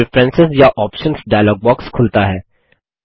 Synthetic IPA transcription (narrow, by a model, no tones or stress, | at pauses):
ɪfɾɛ̃nsɪzjaʔɔːpʃə̃nsɖajlɔːɡ̚bɔːkskʰʊlt̪aɦɛː